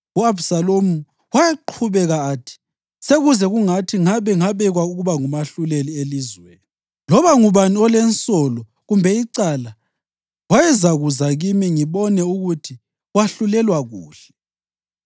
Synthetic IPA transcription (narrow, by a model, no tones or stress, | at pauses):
uabsalomu | wajaǃʰuβɛɣaːtʰi̥ | seɣuzɛɣuŋatʰiŋaβɛŋaβɛɣwauɣuβaŋumaɬulelielizwḛːni | lɔβaŋuβaniɔlɛnsʼɔlɔ | ɣumbʱɛiǀala | wajɛzaɣuzaɣimiŋiβɔnɛuɣutʰi | waɬulɛlwaɣṵːɬɛ